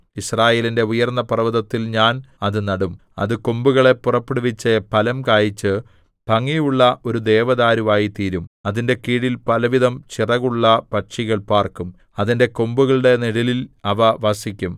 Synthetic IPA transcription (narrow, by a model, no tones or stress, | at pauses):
israːje̞ːlinde̞ujɐrnːɐpɐrɐʋɐðɐt̪ːilɲaːnɐðɨnɐɽum | ɐ̰ðɨkombuɣɐɭe̞pːurɐpːeɽuʋit͡ɕːɐpɐlɐmkaːjit͡ɕːɨ | pɐŋːijuɭːɐʔo̞ɾud̪e̞ːʋɐðaːɾumaːjit̪iːɾumɐðinde̞kiːɽilpɐlɐʋiðɐmt͡ɕirɐɣuɭːɐpɐʈʂiɣɐɭpaːrkum | ɐðinde̞kombuɣɐɭɨɽe̞niɽililɐʋɐʋɐsikʲːum